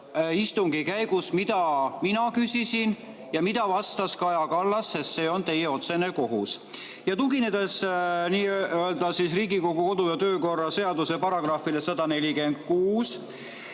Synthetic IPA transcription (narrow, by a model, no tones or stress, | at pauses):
ist̪uŋɡ̥ikæjɡusmid̪̥ɑminɑkysisin | jɑmid̪̥ɑvɑst̪ɑskɑjɑkɑlːɑsːest̪se̞ːo̞nt̪e̞jeo̞t̪se̞ne̞ko̞ɦus | jɑt̪uɡine̞d̪esniːøøld̪ɑsisriːɡiko̞ɡuko̞d̪ujɑt̪ø̞ːko̞rːɑse̞ɑd̪use̞pɑɾɑɡrɑfile̞sɑd̪̥ɑne̞lʲike̞nd̪̥̚kuːs